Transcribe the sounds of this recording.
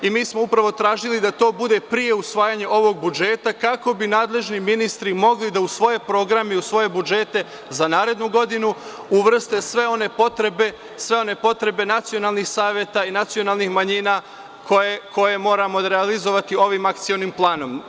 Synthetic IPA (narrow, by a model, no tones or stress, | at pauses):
imiːsmoupɾaʋo̞t̪ɾaːʒilid̪at̪o̞ːbud̪e̞pɾije̞usʋaːjaɲeʔo̞ʋo̞ɡ̚bud͡ʒe̞ːt̪akako̞binaːd̪le̞ʒniminist̪ɾimo̞ɡlid̪ausʋo̞je̞pɾo̞ɡɾameiusʋo̞je̞bud͡ʒe̞t̪e̞ | zanaːɾe̞d̪nuɡo̞d̪inu | uʋr̩st̪esʋe̞o̞nepot̪ɾebe | sʋe̞o̞ne̞po̞t̪ɾe̞be̞nat̪sio̞naːlˠnixsaːʋje̞t̪ainat̪sio̞naːlˠnixmaɲina | kʰojeko̞je̞mo̞ːɾamo̞ɾealizo̞ʋat̪io̞ʋimakt̪sionimplˠaːno̞m